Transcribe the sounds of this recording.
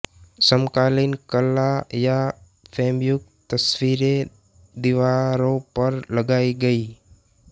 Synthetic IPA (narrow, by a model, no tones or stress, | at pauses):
səmkaːlinkəlːaja | pʰeːmjʊk̚t̪əsʋiːɾe | d̪ɪʋaːɾõpəɾləɡaːiɡəiː